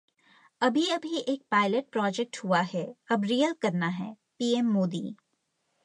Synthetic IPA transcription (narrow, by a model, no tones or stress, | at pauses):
ɐbʱiɐbʱiʔeːk̚paːɪləʈ̚pɾɔːd͡ʒɛk̚ʈhuaɦɛɐbɾiːəlkɐɾnaɦɛ̰ː | piːɛmːoːd̪ḭː